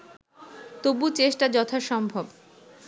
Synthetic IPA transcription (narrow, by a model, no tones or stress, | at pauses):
t̪obut͡ɕeʃʈad͡ʑɔt̪ʰaʃɔmbʱob